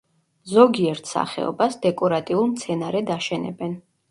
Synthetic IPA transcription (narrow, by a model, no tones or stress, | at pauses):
zɔɡiɛɾt̪ʰsa̰χɛ̰ɔ̰basd̪ɛkʼɔɾat̪ʼiulˠmt̪sʰɛnaɾɛd̪aʃɛnɛ̰bɛn